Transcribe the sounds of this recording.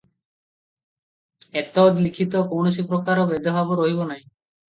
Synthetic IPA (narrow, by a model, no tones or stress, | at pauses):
et̪ɔd̪likʰit̪ɔkownos̬ipɾɔkaɾɔbed̪ɔbʱabɔɾɔɦibɔnaj̃